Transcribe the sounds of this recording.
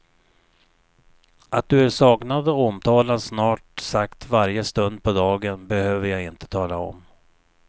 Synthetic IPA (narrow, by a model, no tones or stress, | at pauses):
ʔat̪̚d̪ɵæɾʂɑːknad̪əɔmt̪ʰɑːlasnɑːʈsakt̪vaɾjəst̪ɵnd̪̚pʰɔd̪ɑːɡənbɛhøːvəɾjaɡɪnt̪ə̥t̪ʰɑːlaɔ̰m